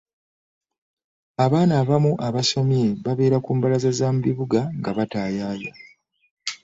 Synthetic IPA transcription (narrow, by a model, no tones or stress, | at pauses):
aβaːnaːβamuʔaβasomieβaβe̞ːɾakuːmbalazazaːmuβiβuɡaŋɡaβataːjaːja